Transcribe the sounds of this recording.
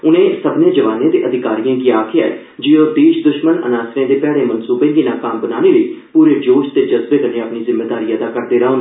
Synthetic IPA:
ʊnẽːsəbnẽːd͡ʒəʋaːnẽːd̪eːʔəd̪ɪkaːɾijãːkɪjaːkʰɪja̰ɛ | d͡ʒiːoːd̪eːʃd̪ʊʃmənə̰naːsɾẽːd̪eːpɛːɽeːmənsuːpẽːŋɡiːnãːkaːmbənaːneːləiːpuːɾeːd͡ʒoːʃt̪eːd͡ʒəzbeːk̪ənẽːəpniːzɪmːeːd̪aːɾiːjə̃d̪aːkəɾd̪eːɾaːn

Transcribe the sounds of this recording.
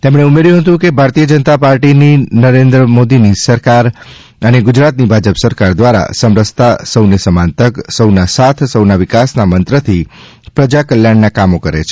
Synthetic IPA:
t̪emɳ̃eumeɾjũɦət̪ũkebʱaɾt̪ijəd͡ʒənət̪apaɾʈininəɾend̪ɾəmod̪inisəɾkaɾ | əneɡʊd͡ʒɾat̪nibʱad͡ʒəpsəɾkaɾd̪ʋaɾa̰səmɾəst̪asəwnesəmãnt̪əksəwnasat̪ʰsəwnaʋɪkasnamənt̪ɾət̪ʰi | pɾəd͡ʒakəljaɳːakamokəɾḛt͡ʃʰ

